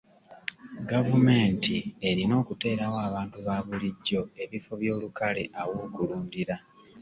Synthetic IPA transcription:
ɡavume̞ːntʰie̞ɾino̞ːkute̞ːɾawaːβaːntuβaːβuliɟːo̞e̞βifo̞βjo̞ːlukale̞ʔawoɡuluːndiɾa

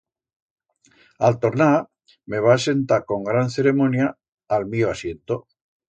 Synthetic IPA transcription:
alt̪oɾna | meβ̞aːse̞nt̪aɾko̞ŋɡɾanθe̞ɾe̞mõnja | almioasje̞nt̪o

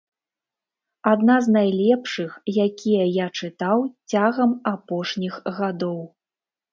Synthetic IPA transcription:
ad̪naznajlʲɛpʂɨxjakʲʰijɐjat͡ʂɨt̪awt͡sʲaɣɐmapɔʂnʲixɣad̪ɔw

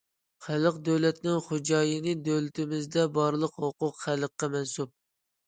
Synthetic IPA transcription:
χæləqd̪øwlɛt̪nɪŋχod͡ʒɑːjɨnɨd̪øwlɪt̪ʰɪmɪzd̪ɛbɑɾlˠəqhoqʊqχælˠəqːɑmɛnsup̚

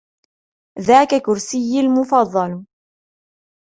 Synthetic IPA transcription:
ðaːkakʊɾsɪjːalmʊfɑðˤːɑl

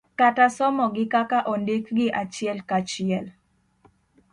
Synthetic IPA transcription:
katasɔmɔɡɪkakaʔɔndekɡɪʔat͡ʃɪɛlkat͡ʃɪɛl

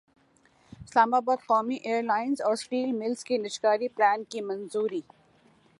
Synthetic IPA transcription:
ɪslaːmaːbaːd̪qɔːmiʔeːɾlaːɪnzɔːɾsʈiːlmɪlzkenɪʃkaːɾiplɛːnkimɐ̃nzuːɾiː

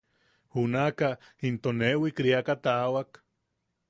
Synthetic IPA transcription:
unaka | int̪onewikɾiakat̪awak

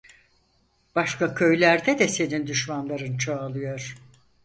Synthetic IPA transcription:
b̥aʃkakʲʰø̞jlʲæɾd̪ɛd̪ɛse̞nind̪yʃmanlˠaɾɯnt͡ʃʰoːlˠɯjo̞ɾ̥

